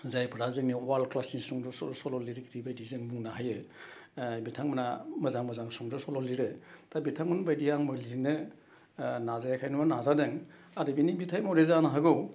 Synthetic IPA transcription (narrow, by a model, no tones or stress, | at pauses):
zajpʰɯɾazɯŋniɔwalkʰlasnisuŋdɔsɔsɔlɔliɾkʰiɾibajdizɯŋbuŋnaɦajɯ | bitʰaŋmɯnamɐzaŋmɐzaŋsuŋdɔsɔlɔliɾɯtʰabitʰaŋmɯnbajdiaŋmɯliziŋnɯ | nazajakʰajnumanazadeŋ | adɯbinibitʰajmɔɾezanaɦaɡɯw